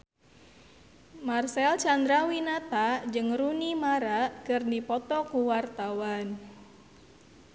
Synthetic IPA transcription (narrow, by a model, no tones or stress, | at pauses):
marsɛlt͡ʃand̪ɾawinat̪ad͡ʒɨŋrunimaɾakɨrdipɔt̪ɔkuwart̪awan